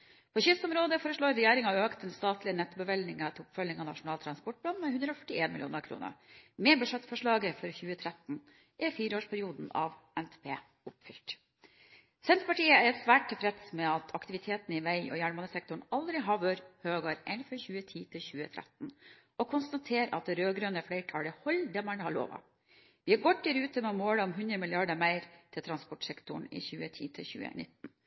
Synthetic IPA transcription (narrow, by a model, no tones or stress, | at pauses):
pʰɔɕʏsɔmɾoːd̪əfoːɾəʂɭoːɾːɛjeːɾɪŋɑøːkt̪d̪ɛnst̪ɑːt̪lɪənɛt̪ːbəʋɛlnɪŋət̪ʰʊpfœlɪŋɑnɑ̰ʂʊnɑːlt̪ʰɾɑnspɔʈ̚blɑnmɛhʉnd̪ɾəɔfœ̥ʈːɪeːnmɪlɪṵːnəɾkʰɾṵːnə̰ɾmɛbʉʂɛt̪fɔʂɭɑːɡəfɔɾçʉːət̪ʰɾɛt̪n̩ | ʔɪfiːɾəoːʂpʰæɾɪuːd̪n̩ɑ̰ʋ | ɛnt̪ʰeːpʰḛː | ʊpfʏlʈ̪ | sɛnt̪ɾəpɑʈiːəæɾsʋæːʈ̚t̪ʰːɛfɾɛt̪smɛɑt̪ʰɑkt̪ɪʋɪt̪ʰeːt̪nɪʋæɪɔ̰jæːɳmɑnəsɛk̚t̪ʊɳɑld̪ɾɪɦɑːʋøɾhøːɡɑɾʔḛɪnfɔɾçʉːət̪ʰiːt̪ʰɪlçʉːə̰t̪ʰɾʔɛ̰t̪n̩ | ɔkʰʊnst̪ɑt̪ʰeːɾɑ̰t̪̚ːɾøːɡɾøːnəfɽæɪʈʰɑːɽəhɔld̪ɛmɑɳhɑɭo̰ːʋɑ̰ | ʋɪæɾɡɔt̪̚d̪æɾʉːt̪əmɛmoːɽəɔmɦʉnd̪ɾəmɪlɪɑɖəmæɪɾt̪ʰɪlt̪ʰɾɑnspɔʈsɛkt̪ʊɳɪ̰çʉːət̪ʰḭːt̪ʰɪ̰çʉ̰ːə̰nɪ̰t̪ːn̩